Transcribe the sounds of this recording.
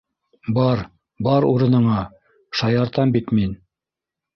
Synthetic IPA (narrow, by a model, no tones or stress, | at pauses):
bɑɾ | bɑɾuɾɤ̆nɤ̆ɴɑ | ʃɑjɑɾt̪ɑmbit̪min